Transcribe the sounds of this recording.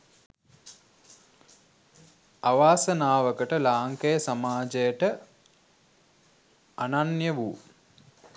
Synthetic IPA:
aʋaːsənaːʋəkəʈəlaːŋkejəsamaːd͡ʒejəʈə | ananjəʋu

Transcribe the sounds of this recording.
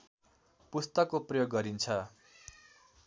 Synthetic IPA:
pust̪ʌkːoprʌjoɡːʌɾint͡sʰʌ

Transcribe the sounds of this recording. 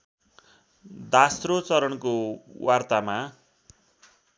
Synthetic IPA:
d̪asrot͡sʌɾʌnkowʔart̪ama

